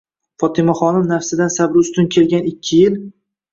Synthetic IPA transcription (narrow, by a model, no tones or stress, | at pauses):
fɒt̪ʰɪmaχɒnɪmnafsɪd̪ansabɾʊst̪ʊnkʲʰe̞lɡʲanɪkʲʰːɪjɪl